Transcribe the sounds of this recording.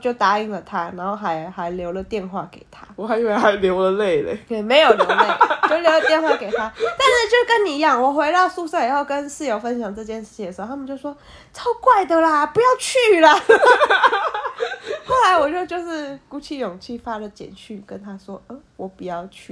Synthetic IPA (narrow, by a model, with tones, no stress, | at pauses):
t͡ɕjo˥˩ʊt̪a˧˥i˧˩ŋlə˨t̪ʰa˦na˨˧˥nxo˥˩ʊxa˧˥ɪxa˧˥ɪljo˧˥ʊlə˨t̪jɛ˥˧nxwa˥˩ke˨˩ɪt̪ʰa˥˦wɔ˨˦xa˧˥we˥˩xa˧ɪljo˧˥ʊlə˨le˥˩ɪlḛ˨˦jɛ˨˩me˧˥ɪjo˨ʊljlle˥˩˧o˥˧˥ljo˧˥ʊlə˧t̪jnxwa˥˩ke˨˩ɪt̪ʰa˥t̪a˥˧nʂɻ̩˥˧t͡ɕjo˥˩ʊ˧kə˦ni˨˩i˧˦jɑ˥˩ŋwɔ˨˩xwe˧˥ɪt̪ɑ˥˧ʊsu˥˧sɤ˥˩˨xo˥˩ʊkə˦nʂɻ̩˥˩jo˧˥ʊfə˦nɕ̬jɑ˨˩ŋʈ͡ʂɤ˥˧t͡ɕjɛ˥˧nʂɻ̩˥˩t͡ɕʰi˨ŋə˩˧˥a˥mə˨t͡ɕjo˥˧ʊʂwɔ˥ | t͡sʰɑ˥ʊkwa˥˩ɪd̪ə˨lə˨pu˧jɑ˥˧ʊt͡ɕʰy˥˩lə˨ | xo˥˩ʊla˧˥ɪwɔ˨˩t͡ɕjo˥˧ʊt͡ɕjo˥˧ʊʂɻ̩˥˩ku˥t͡ɕʰi˥˩jʊ˨˩ŋt͡ɕʰi˥˩fa˥lə˨t͡ɕjɛ̰˨˩nt͡ɕʰy˥˩kə˦nt̪ʰa˥ʂwɔ˥ə˧˩wɔ˨˩pu˨˩jɑ˥˧ʊt͡ɕʰy˥˩